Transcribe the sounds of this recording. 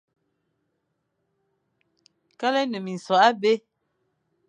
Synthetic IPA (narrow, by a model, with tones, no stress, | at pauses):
ka˦lɛ˦nə˨mi˨n˨sɔ˨a˦be˦